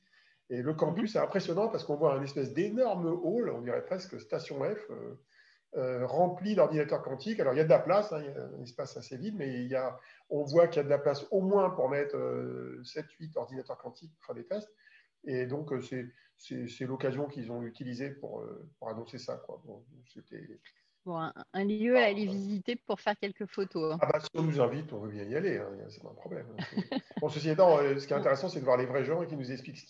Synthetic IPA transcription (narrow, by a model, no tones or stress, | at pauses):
eləkɑ̃pysɛɛ̃pχesjɔnɑ̃pasə̥kɔ̃vwaɛ̃nɛspɛsd̪enɔʁmolɔ̰̃d̪iʁɛ̰pχɛskəst̪asjɔ̃ɛfø̰ | øʁɑ̃plid̪ɔʁd̪inat̪œʁkɑ̃t̪ikalɔʁiljad̪əlaplasɛ̃iljaɛ̰̃nɛspasasevid̪mɛiljaɔ̃vwakiljad̪əlaplasomwɛ̃puʁmɛt̪χø̰sɛt̪ɥit̪ɔʁd̪inat̪œʁkɑ̃t̪ʰik̚puʁfɛ̃d̪et̪ɛst̪ | ed̪ɔ̃køsɛ | sɛsɛlɔkazjɔ̃kilzɔ̃yt̪ilizepṵʁø̰puʁanɔ̃sesa̰kwa̰bɔ̰̃sɛt̪ɛ̰ | bɔ̃ɛ̃ɛ̃ljøalevizit̪epuʁfɛʁkʲɛlkəfot̪õabasiɔ̃nuzɛ̃vit̪ɔ̃vøbjɛ̃ialeɛ̰̃ja̰sɛ̥paɛ̰̃pχɔblɛ̰m̃sɛ̰ɔ̃səs̬iet̪ɑ̃sə̥kiɛt̪ɛ̃t̪eʁesɑ̃sɛd̪əvwaʁlevʁɛʒɑ̃ekʲinuzɛkspliksə̥k